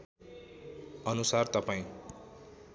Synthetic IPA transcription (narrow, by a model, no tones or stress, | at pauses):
ʌnusart̪ʌpaĩ